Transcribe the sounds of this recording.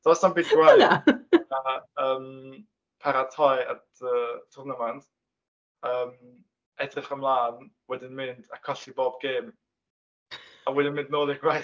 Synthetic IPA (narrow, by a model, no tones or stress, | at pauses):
d̥ɔsambitɡwaj | aəːm | pʰaɾatʰɔja̰dəːtʰʊnəmand | əːm | ɛdrɪχəmlˠaːnwɛdɪnmɪnd̥akʰɔɬiboːbɡeːm | awɛdɪnmɪ̃ndnoːlˠɪɡ̥waj